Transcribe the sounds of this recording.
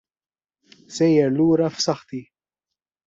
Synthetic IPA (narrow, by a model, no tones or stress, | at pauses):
sɛjɛɾluːɾɐfsɐħt̪i